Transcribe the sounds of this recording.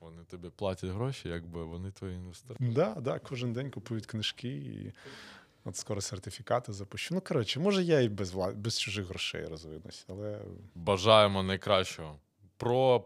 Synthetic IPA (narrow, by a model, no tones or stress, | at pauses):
ʋɔnɪt̪ɔbʲiplˠɑtʲɐtʲɦɾɔʃʲijɐɡ̚bɪʋɔnɪt̪ʋɔjiinʋest̪d̪ɑd̪ɑkʰɔʒɪnd̪ɛnʲkʊpujʊt̪ʲknɪʃkɪḭ | ɔt̪skɔɾɔsert̪ɪfʲikɑt̪ɪzɐpʊʃt͡ʃunukɐɾɔt͡ʃɪmɔʒɛjaibɛɑbɛst͡ʃʊʒɪxɦɾɔʃɛ̰jrɔzʋɪnʊ̰sʲɐlˠɛbɐʒɑjemɔnɐjkɾɑʃt͡ʃɔɦɔ | pɾɔ